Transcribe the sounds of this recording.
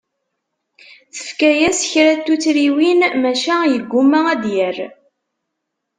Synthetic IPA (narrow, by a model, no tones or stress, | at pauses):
θə̥fkæjæsçɾæt̪ːut͡sːɾiwinmæʃæjəɡʷːumːææd̪jæɾ